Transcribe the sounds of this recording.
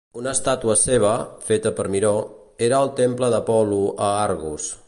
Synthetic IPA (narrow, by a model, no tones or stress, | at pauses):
unəst̪at̪uəseβ̞əfet̪əpəɾmiɾo | eɾəːlˠt̪empləðəpɔluəaɾɣus